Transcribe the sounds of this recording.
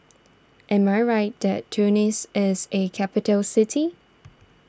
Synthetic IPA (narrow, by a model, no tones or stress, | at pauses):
ʔɛ̃maɪɹaɪt̚ðɛtʰːunɪsɪzekʰæpɪtəlsɪtʰi